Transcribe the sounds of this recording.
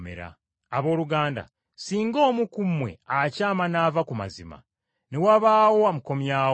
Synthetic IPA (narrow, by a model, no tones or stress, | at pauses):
mḛɾa̰ː | βo̞ːluɡaːnda̰ | siːŋɡo̞ːmukumwe̞̰acaːmanaːvakuma̰zima̰ | newaβaːwo̞amuko̞mjaː